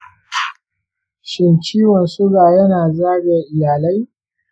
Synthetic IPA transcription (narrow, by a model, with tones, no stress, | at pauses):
ʃɪ˨nt͡ʃiː˦wɔ˨nsʊ˦ɡaː˨jɐ˦naː˨zaː˦ɡa˨ʔɪ˨jaː˨la˦j